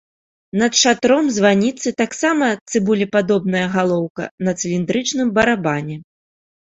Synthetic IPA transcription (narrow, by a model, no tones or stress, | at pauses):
nɐt̪ʂat̪ɾɔmzvanʲit̪sɨt̪aksamɐt̪sɨbulʲipad̪ɔb̚nɐjɐɣalˠɔwkɐ̰nɐt̪sɨlʲind̪ɾɨt͡ʂnɨmbɐɾabanʲɛ